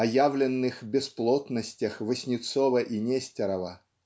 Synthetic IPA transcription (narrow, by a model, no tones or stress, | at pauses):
ɐjavlʲɪnːɨxbʲɪsplˠot̪nəsʲtʲəxvəsʲnʲɪt̪sovəʔinʲesʲtʲɪɾəvə